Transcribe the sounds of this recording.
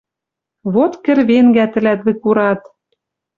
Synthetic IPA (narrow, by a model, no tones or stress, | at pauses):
βot̪kɘ̆ɾβeŋɡæt̪ɘ̆læt̪βɘ̆kuɾɑt̪